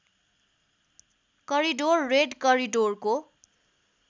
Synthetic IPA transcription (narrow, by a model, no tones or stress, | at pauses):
kʌɾiɖorːeɖkʌɾiɖorko